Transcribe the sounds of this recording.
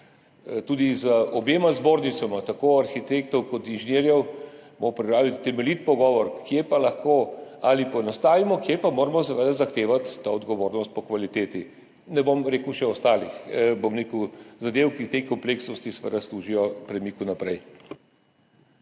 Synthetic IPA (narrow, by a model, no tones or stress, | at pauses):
t̪uːd̪izəɔbeːmazboːɾnit̪sɔmat̪akoaɾxit̪ekt̪ɔwkɔt̪inʒineɾjɛwmopɾipɾaːʋit̪ːɛmɛlit̪pɔɡɔːʋɔɾkjepalɐxkoalipɔɛnɔst̪aːʋimɔkjepamoːɾamɔs̬ɛʋəd̪azaxt̪eːʋat̪ːaɔd̪ɡɔʋoːɾnɔst̪̚pɔkʋalit̪eːt̪i | nɛbomɾeːkuwʃɛɔst̪aːlixbomɾeːkəwzad̪ewkit̪ejkɔmpleːksnɔst̪isɛʋə̰d̪asluːʒijɔpɾɛmikunapɾɛj